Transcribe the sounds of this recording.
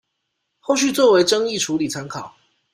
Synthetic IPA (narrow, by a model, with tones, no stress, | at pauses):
xo˥˧ʊɕy˥˧t͡swɔ˥˨˩we˨˦ɪʈ͡ʂɤ˦ŋi˥˨ʈ͡ʂʰu˨˦li˨˩t͡sʰa˧˥ŋkʰɑ˨˩˦ʊ